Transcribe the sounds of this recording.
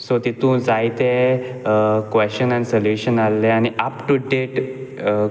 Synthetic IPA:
sot̪it̪ũd͡zajt̪e | kʋeɕɕənanisəljuɕənalːeañiapʈuɖeʈ

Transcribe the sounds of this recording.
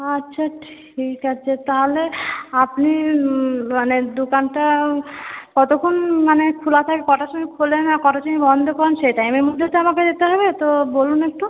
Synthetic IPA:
atːɕʰaʈʰ | ikaːɕʰat̪aɦoleapni | maned̪okanʈa | kɔt̪okʰonmanekʰulat̪ʰakekɔʈaʃonikʰolenakɔʈaʃonibɔnd̪ʱokɔɾenʃeʈajmeɾmud̪ʱːet̪oamaked̪et̪eɦɔbet̪obolunek̚ʈu

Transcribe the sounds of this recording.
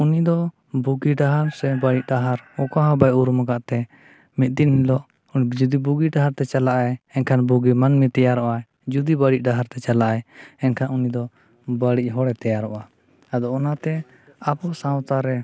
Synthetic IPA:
unid̪ɔ | buɡiɖaɦaɾsɛbaɽiʔ̚ɖaɦaɾɔkaɦãbajʔuɾməɡaʔt̪ɛ | mit̪̚ˀd̪inhilɔʔ | d͡ʒud̪ibuɡiɖaɦaɾt̪ɛt͡ʃalaʔajɛnkʰanbuɡimanmit̪ɛjaɾɔʔa | d͡ʒud̪ibaɽiʔ̚ɖaɦaɾt̪ɛt͡ʃalaʔajɛnkʰanunid̪ɔ | baɽiʔ̚ˀɦɔɽɛt̪ɛjaɾɔʔa | ad̪ɔɔnat̪ɛ | apɔsãwt̪aɾɛ

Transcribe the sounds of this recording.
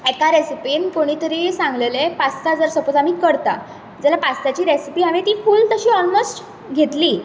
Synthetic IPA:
ekaɾesipinkoɽ̃iːt̪əɾesãŋɡlelepast̪ad͡zəɾsəpot͡samiːkəɾt̪a̰ | d͡zalapast̪at͡ɕiːɾesipiːɦaʋẽt̪iːfuːlt̪əɕiːɔlmosʈ | ɡʱet̪liː

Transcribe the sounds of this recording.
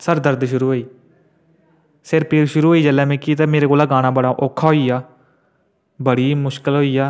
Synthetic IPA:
səɾd̪əɾd̪ʃʊɾuːɦoːiː | sɪɾpiɾʃʊɾuːɦoːiːd͡ʒəlːaːmɛ̃ːkiːt̪aːmeːɾeːkoːlaːɡaːɽ̃ãːbəɽaːʔoːkʰːaːɦoːiːaː | bəɽiːmʊʃkəlɦoːiːaː

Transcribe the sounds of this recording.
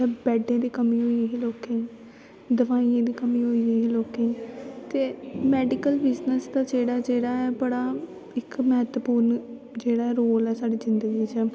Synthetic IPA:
ɛːbɛːɖẽːd̪iːkəmĩːɦoːiɦiːloːkẽː | d̪əʋaːiẽːd̪iːkəmĩːɦoːieiloːkẽːt̪eːmɛːɖɪkəlbɪznəsd̪aːt͡ʃeːɽaːd͡ʒeːɽaːɛːbəɽaː | ɪkməɦət̪əpuːɾn | d͡ʒeːɽaːɦɛːɾoːlɛːsaːɖiːzɪnd̪əɡiːt͡ʃɛː

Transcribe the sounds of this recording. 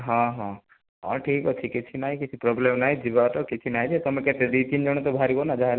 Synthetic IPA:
ɦãɦɔ̃ | ɔ̰̃ʈʰikɔt͡ʃʰikit͡ʃʰinaĩkit͡ʃʰipɾɔblemnaɦĩd͡ʒibaʈɔkit͡ʃʰinaɦĩd͡ʒʰet̪ɔmeket̪eɖit̪ind͡ʒɔɽ̃ɔt̪ɔbʱaɾibonad͡ʒaɦel

